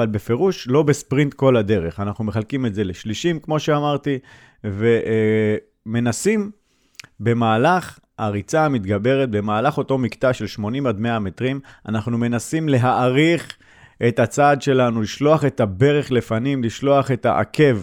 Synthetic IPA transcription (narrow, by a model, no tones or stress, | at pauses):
valbe̞fe̞ʁuʃlo̞bespʁint̪ko̞lade̞ʁe̞χanaχnume̞χalkimetze̞leʃliʃimkmo̞ʃe̞amaʁt̪i | ve̞ʔ | me̞nasim | be̞maːlaχ | aʁit͡samit̪ɡabe̞ʁet̪̚be̞maːlaχo̞to̞miktaʃe̞lʃmo̞nimad̪me̞amet̪ʁima̰naχnume̞nasimle̞ɦaʔaʁiχ | ʔe̞tat͡sadʃe̞lanuliʃlo̞aχe̞tabe̞ʁe̞χle̞fanimliʃlo̞aχe̞ta̰ʔa̰kʰe̞v